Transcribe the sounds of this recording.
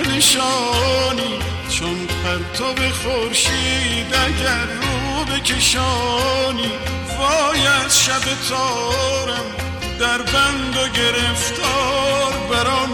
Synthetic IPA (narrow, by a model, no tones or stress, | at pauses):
neʃɒːniː | t͡ʃʰonpʰæɾt̪ʰɔbexoɾʃiːd̪æɡæɾːuːbekʰeʃɒːniː | vɒːjæd̪ʃæbet̪ʰɒːɾæm | d̪æɾbæŋɡoɡe̞ɾeft̪ʰɒːɾbæɾɒːn